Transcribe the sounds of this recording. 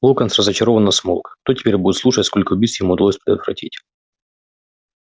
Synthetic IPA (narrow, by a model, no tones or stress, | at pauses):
lˠokənsrəzət͡ɕɪɾovənːəsmolˠkt̪otʲɪ̥pʲeɾʲbudʲɪt̪slˠuʂətʲskolʲkəʊbʲisjɪmuʊd̪ɐlosʲpʲɾʲɪd̪ət̪vɾɐ̰tʲḭtʲ